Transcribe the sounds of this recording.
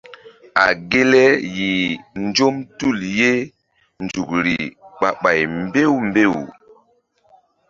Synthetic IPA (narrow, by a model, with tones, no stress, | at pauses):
a̰˨ɡe˦le˦ji˨n˦d͡ʒo˦mtu˦˨lje˦ | nd͡ʒu˨k̚ɾi˨ɓa̰˨ɓa˨jmbe˦wmbe˦˨w